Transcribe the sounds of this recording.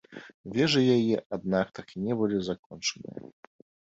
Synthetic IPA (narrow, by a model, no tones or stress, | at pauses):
vʲɛʐɨjajɛʔad̪̚nak̚t̪akinʲɛbɨlʲizakɔnt͡ʂɐnɨ̰jɐ̰